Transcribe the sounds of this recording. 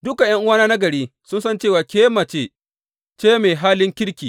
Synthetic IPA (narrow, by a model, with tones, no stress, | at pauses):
dʊ˦ka˨j̰ɐ˦ŋʔʊ˦waː˦naː˦nɐ˦ɡɐ˨ɽiː˦sʊ˦nsɐ˦nt͡ʃeː˦˨waː˨kʲeː˦mɐ˨t͡ʃeː˦ | t͡ʃeː˦meː˨ɦaː˦lɪ˦ŋkʲɪ˦ɽkʲiː˨